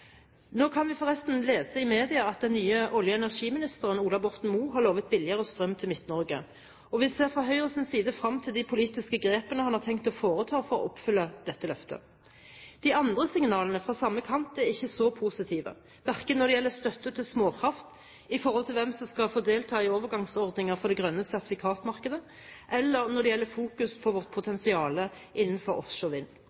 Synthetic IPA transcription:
noːkʰɑnʋɪfɔʁɛst̪nleːsəɪmeːd̪ɪɑɑt̪̚d̪ɛnːyːəʔɔljəɛnæʁʂiːmɪnɪst̪əʁənuːlɑbɔʁt̪n̩muːɦɑʁloːʋət̪̚bɪlɪəʁəɔst̪ʁœmːt̪ʰɪlmɪt̪nɔʁɡə | ɔʋɪseːʁfʁɑɦœʏʁəsɪnsiːd̪əfʁɑmːt̪ʰɪld̪ɪpʰʊliːt̪ɪskəɡʁeːpənəhɑnhɑʁt̪ʰɛŋkt̪ɔfoːʁət̪ʰɑːfɔʁɔ̰ʔɔpfʏlːəd̪̥ɛt̪ːəlœft̪ə̰ | d̪̥ɪɑnd̪ʁəsɪŋnɑːlənəfʁɑsɑmːəkʰɑnt̪æʁɪçːəsɔpʰuːsɪt̪ʰiːʋə̰ | ʋæʁkənːɔʁd̪ɛjɛlːəst̪œt̪ːət̪ʰɪlsmoːkʰʁɑft̪ | ɪfɔɾhɔlt̪ʰɪlʋɛmsɔmskɑfoːd̪eːlt̪ʰɑːɪoːʋəʁɡɑŋsɔʁd̪nɪŋəfɔd̪ɛɡʁœnːəsæʁt̪ɪfɪkʰɑːt̪mɑʁkəd̪ə | ʔɛlːəʁnɔd̪ɛjɛlːəfuːkʉspʰɔʋɔʁt̪̚pʰʊt̪ʰɛnsɪɑːlə | ʔɪnːən̩fɔɾɔ̰fʂɔʋɪnː

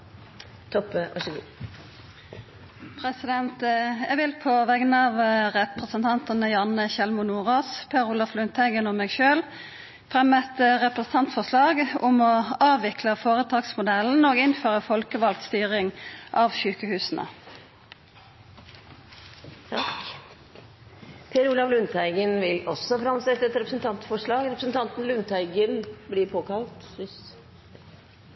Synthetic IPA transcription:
t̪ʰɔpɑ̰ʂɡ | pʰʁɛsɪd̪ɛnt̪ɛʋɪlpʰoʋɛɡənɑʋʁɛpʁəsənt̪ʰɑnt̪ənəjɑːnəɕɛlmʊnuːʁoːspʰeːʁʊlɑflʉnt̪ʰæɪɡənɔmːɛːɡʃøːl | fʁɛmːɛt̪ʁɛpʁəsn̩t̪ɑnt̪fɔʁslɑːɡʊmɔɑːʋɪkləfoːʁət̪ʰɑːɡsmʊd̪ɛln̩oːɡɪnføːʁəfɔlkəʋɑlt̪st̪yːʁɪŋʔɑːʋʃʉːkəhʉːsnə̰ | k | pʰeːɾuːlɑʋlʉnt̪ʰæɪɡənʋɪlɔsɔfɾɑmsɛt̪ːəɛt̪ɾɛpɾəsn̩t̪ʰɑnt̪fɔʂɭɑːɡɾɛpɾəsn̩t̪ʰɑnt̪n̩lʉnt̪ʰæɪɡənbliːɾpʰoːkɑlt̪ɪs

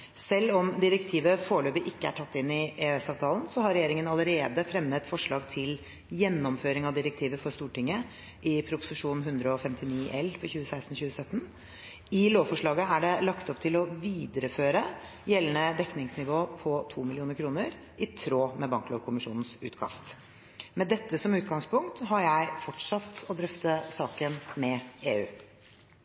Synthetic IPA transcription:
sɛlːɔmd̪ɪɾɛkt̪ʰiːʋəfoːɭøːbəʔɪkːəæ̰ʈʰɑt̪ːɪnːɪeøɛsɑːʋt̪ʰɑːlənsɔhɑɾɛjeːɾɪŋənɑləɾeːd̪əfɾɛmːət̪fɔʂɭɑːɡt̪ʰɪl | jɛnːɔmføːɾɪŋɑʋd̪ɪɾɛk̚t̪ʰiːʋəfɔɾst̪uːʈɪŋːə | ʔɪpʰɾʊpʊ̥sɪʂuːnɦʉnd̪ɾəɔfɛmt̪ɪniːʔɛlpʰɔçʉːəsæɪst̪n̩çʉːəsœt̪ːn̩ | ɪloːʋfɔʂɭɑːɡəæɖɛlɑkt̪ɔpt̪ʰɪlɔʋiːd̪əɾəføːɾə | jɛlənəd̪ɛknɪŋsnɪʋoːpʰɔt̪ʰuːmɪlɪuːnəɾkʰɾuːnəɾ | ɪt̪ʰɾoːmɛbɑŋklɔːʋkʰʊmɪʂuːnn̩sʉ̰ːt̪kʰɑ̰st̪ | mɛd̪ɛt̪ːəsɔmʉːt̪ɡɑŋspʰʊŋk̚t̪ɦɑɾjæɪfɔʈʂɑt̪ːɔd̪ɾœft̪əsɑːkənmɛeːʉː

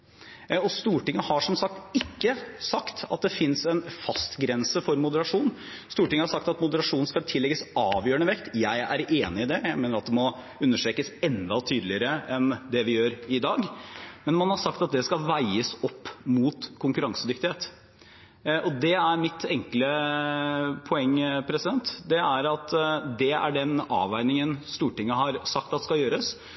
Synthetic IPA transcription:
ɔst̪uːʈɪŋːəhɑʂɔmsɑk̚t̪ɪkːəsɑkt̪ɑ̰t̪̚d̪ɛfɪnsɛnfɑst̪ɡɾɛnsəfɔɾmʊd̪əɾɑʂuːn | st̪uːʈɪŋːəhɑʂɑkt̪ɑt̪mʊd̪əɾɑʂuːn̩skɑlt̪ʰɪlːɛɡəsɑːʋjøːəɳəʋɛkt̪jæɪæɾeːnɪɪd̪ɛjæɪmeːnəɾɑt̪̚d̪ɛmɔ | ʉnːəʂʈɾeːkəsɛnd̪ɑt̪ʰyːd̪lɪəɾəɛnd̪ɛʋɪjøːɾɪd̪ɑːɡmɛnmɑnhɑʂɑk̚t̪ɑt̪̚d̪ɛskɑlʋæɪəsɔpːmuːt̪kʰʊŋkʉɾɑŋsəd̪ʏk̚t̪ɪheːt̪ | ʔɔd̪ɛæɾmɪt̪ɛŋklə | pʰɔɛŋːpʰɾɛsɪd̪ɛnt̪d̪ɛæɾɑt̪d̪ɛæ̰ɖɛnɑ̰ːʋæɪnɪŋənst̪uːʈɪŋːəɦɑɾsɑk̚t̪ɑt̪ɛ̥skɑjøːɾəs

